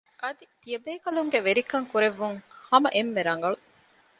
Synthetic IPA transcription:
ʔɐd̪it̪ijɐbeːkɐluŋɡeʋeɾikɐŋkuɾeʋːuŋhɐmɐʔemːeɾɐŋ̆ɡɐɭu

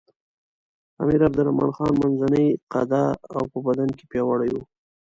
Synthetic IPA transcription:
a̰miɾab̚d̪ʊɾamɑ̰nxɑnmanzanəjqa̰d̪aawpəbad̪anke̥pjɑwaɽaju

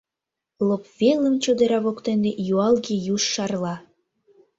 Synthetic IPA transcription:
lopvelə̆mt͡ɕod̪eɾɑβokt̪enejuɑlɣejuʃːɑrlɑ

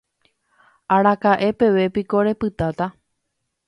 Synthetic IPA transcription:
aɾakaʔe̞pe̞ʋe̞piko̞ɾe̞pɨt̪at̪a

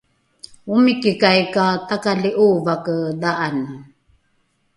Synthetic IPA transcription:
umikikajkatakaliʔuvakədaʔanə

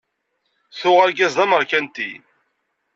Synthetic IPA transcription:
θʊʁaɾɡæzðˤɑməɾˤkænt̪ḭ

